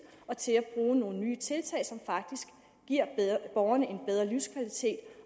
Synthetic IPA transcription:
ɒ̽t͡sʰe̝læb̥ʁuːno̝ːnənyːt͡sʰe̝lt͡sʰɛ̰ɪsɒ̽mfɑ̈ɡ̥̚d̥isɡ̥ː | iɐ̰b̥ɒʊɐnəe̝nb̥eð̞ˠʁɐlyʊskʰʋælit͡sʰe̝̰ːd̥

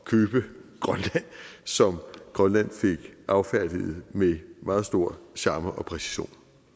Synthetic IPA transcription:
kʰøːb̥əɡ̥ʁɒnlæn̰sɒ̽mɡ̥ʁɒnlæn̰fe̝ɡ̥ʔɑ̈ʊfæɐ̰d̥ið̩ˠmemɑ̈ːð̩ˠsd̥o̝ɐ̰ɕɑ̈ːmɐʔɒ̽pʰʁɛsi̥ɕo̝̰ːn

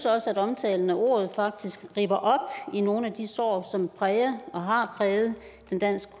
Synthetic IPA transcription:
sɒ̽səæɾɒ̽mt͡sʰɛːln̩æʔo̝̰ːɐð̞̩ˠfɑ̈ɡ̥̚d̥isɡ̥ʁḭːb̥ɐʔɒ̽b̥ino̝ːn̩æd̥isɒ̰ːsɒ̽mpʰʁɛːɐɒ̽ɦɑ̈pʰʁɛːð̩ˠ | d̥end̥æn̰sɡ̥ə̥

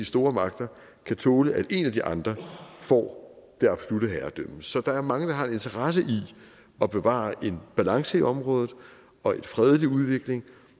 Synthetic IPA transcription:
d̥isd̥o̝ːɐmɑ̈ɡ̥̚d̥ɐ | kʰæt͡sʰɔːləʔæd̥e̝næd̥iʔɑ̈nd̥ʁɐfɒ̰ːd̥eɑ̈b̥so̝luɾ̥əɦæːɐd̥øməsɒ̽d̥ɑ̈æɐmɑ̈ŋəd̥ɑ̈ɦɑ̈ene̝nt͡sʰɐʁɑs̬əʔi | ɒ̽b̥e̝ʋɑ̰̈ːʔe̝nb̥ælɑ̈ŋsəiʔɒ̽mʁɔ̽ːðˠð̩ˠ | ɒ̽e̝dfʁɛðˠliuð̞ˠʋe̝ɡ̥le̝ŋ

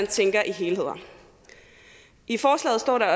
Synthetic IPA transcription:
ænt͡sʰeŋɡ̥ɐʔiɦe̝ːle̝ð̞̰ˠɐ | ʔifɒːslɛ̰ːð̩ˠsd̥ɒ̰ːɾɑ̈ɒ

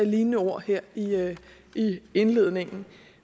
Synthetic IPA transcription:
æliːnnəoɐ̰heɐ̰i | ie̝nle̝ð̞̰ˠne̝ŋn̩

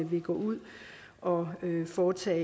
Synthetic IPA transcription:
əʋiɡ̥ɒ̰ːuð̰ˠ | ʔɒ̽øfɒːt͡sʰɛ̰ː

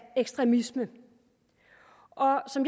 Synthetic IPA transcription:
eɡ̥sd̥ʁɛmismə | ʔɒ̽sɒ̽mj

